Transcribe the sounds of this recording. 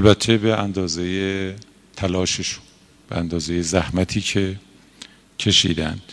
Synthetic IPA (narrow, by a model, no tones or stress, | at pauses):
ælbæt̪ʰːe̞be̞ʔænd̪ɒːzeje | t̪ʰælɒːʃeʃu̥n | b̥eænd̪ɒːze̞je̞zæhmæt̪ʰiːcʰe̞ | cʰe̞ʃḭːd̪æ̰nd̪̥